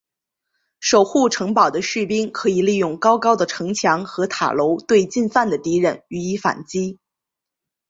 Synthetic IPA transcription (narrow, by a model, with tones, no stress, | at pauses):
ʂo˨˩ʊxu˥˩ʈ͡ʂʰɤ˧˥ŋpɑ˨˩ʊd̪ə˦ɕy˥˩pi˥ŋkʰɤ˧˥i˨˩li˥˧jʊ˥˩ŋkɑ˥ʊkɑ˥ʊd̪ə˨ʈ͡ʂʰɤ˧˥ŋt͡ɕʰjɑ˧˥ŋxɤ˧˥t̪ʰa̰˨˩lo˧˥ʊt̪we˥˧ɪt͡ɕi˥˧nfa˥˩nd̪ə˩t̪i˧˥ɻə˧˩ny˧˥i˧˥fa̰˨˩nt͡ɕi˥